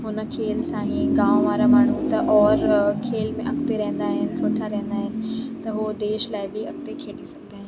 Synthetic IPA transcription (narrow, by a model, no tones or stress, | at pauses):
ɦʊnə̆kʰeːlsãːɦĩɡãːõʋaːɾamaːɳ̤ũt̪ɐʔɔːɾkʰeːlmẽʔɐkt̪eɾɐɦnd̪aːɦɪnɪ̆soːʈʰaɾɐɦẽn̆d̪aːɦɪnɪ̆t̪ɐɦud̪eːʃlaːɪbɪɐk̚t̪ekʰeːɗisɐɡ̚d̪aːɦɪ̃n